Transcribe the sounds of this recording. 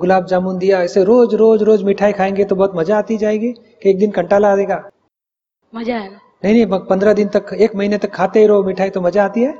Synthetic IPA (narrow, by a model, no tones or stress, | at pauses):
ɡʊlaːbd͡ʒaːmuːnd̪ijaɪseɾoːd͡ʒɾoːd͡ʒɾoːd͡ʒmɪʈʰaːikʰaːẽːŋɡet̪obɔɦʊt̪mɐd͡ʒaːt̪id͡ʒaːẽːɡiː | keeːk̚d̪ɪnkɐ̃ɳʈaːlaːd̪eːɡaː | mɐd͡ʒaɦɛ | nɐɦĩnɦĩɐpɐ̃nd̪ɾad̪ɪnt̪ɐkeːkmɐɦiːnet̪ɐkʰːaːt̪eɦeɾoːmɪʈʰaːit̪omɐd͡ʒaːt̪iɦɛː